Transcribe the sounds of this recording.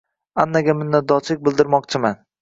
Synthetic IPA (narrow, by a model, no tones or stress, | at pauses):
anːaɡʲamɪnːat̪̚d̪ɒt͡ʃlɪk̚ʲbɪlˠd̪ɪɾmɒqt͡ʃʰɪman